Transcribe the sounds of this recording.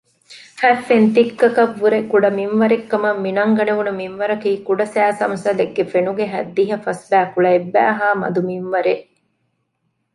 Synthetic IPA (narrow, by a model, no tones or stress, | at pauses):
fæfːent̪ikːɐkɐʋːuɾekuɖɐmimʋɐɾekːɐmɐmːinɐŋɡɐneʋunumimʋɐɾɐkiːkuɖɐsæːsɐmsɐleɡːefenuɡeɦæ̰d̪ːiɦɐfɐsbæːfuɭɐebːæ̰ːɦaːmɐ̰d̪umiʋʋɐɾeʔ